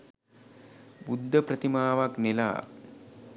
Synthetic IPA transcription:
bud̪ʱːəpɾət̪imaːʋaknela̰ː

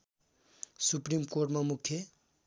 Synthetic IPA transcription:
suprimkorʈmamukʰːje

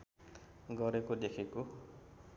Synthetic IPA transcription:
ɡʱɔɾekod̪ekʰeko

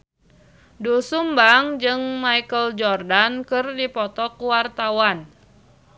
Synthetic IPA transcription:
dusumbaŋd͡ʒɨŋmaikəld͡ʒɔrdankɨrdipɔt̪ɔkuwart̪awan

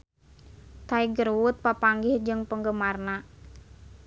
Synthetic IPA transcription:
t̪aiɡərwʊt̪̚papaŋɡɪhd͡ʒɨŋpəŋɡəmarna

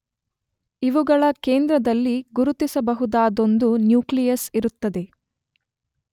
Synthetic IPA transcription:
iʋuɡɐɭɐkeːnd̪ɾɐd̪ɐlːiɡuɾut̪isɐbɐɦud̪aːd̪o̞nd̪unjuːklijɐsiɾut̪ːɐd̪e̞

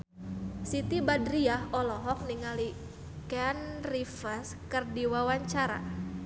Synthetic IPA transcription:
sit̪ibadɾiahɔlɔɦɔk̚niŋali | kɛnrifərs | kərdiwawaɲt͡ʃaɾa̰

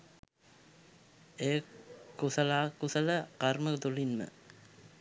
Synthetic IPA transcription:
ekusəlaːkusələqaɾməkət̪ulinmə̰

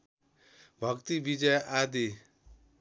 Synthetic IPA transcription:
bʱʌkt̪ibid͡ʒʌjʔad̪i

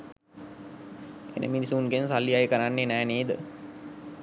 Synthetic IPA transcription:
ḛnʔə̰minisuːnɡensalːiajkəɾanːenæːneːd̪ə

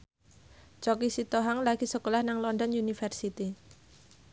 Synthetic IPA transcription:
t͡ʃɔkisit̪oɦaŋlaɡ̥i̤səkolahnaŋlɔndɔnjunifɛrsit̪i

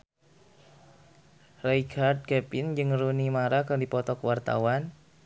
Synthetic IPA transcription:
rejkʰard̪̚kɛpɪnd͡ʒɨŋrunimaɾakərdipɔt̪ɔkəwart̪a̰wan

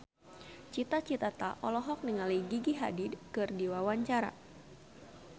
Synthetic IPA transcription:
t͡ʃit̪at͡ʃit̪at̪a̰ʔɔlɔɦɔk̚niŋaliɡiɡiɦa̰didkɨrdiwawaɲt͡ʃaɾa̰

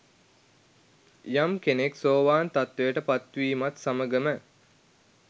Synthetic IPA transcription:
jamkeneksoːʋaːnt̪at̪ʋejəʈəpat̪ʋiːmat̪saməɡəmə

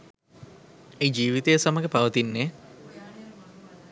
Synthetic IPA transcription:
ejd͡ʒiːʋit̪ejəsaməɡəpaʋət̪inːeː

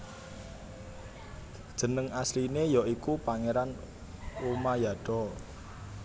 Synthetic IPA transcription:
d̥ʒ̥ə̤nəŋaslinejɔikupaŋeɾan | umajaɖ̥ɔ

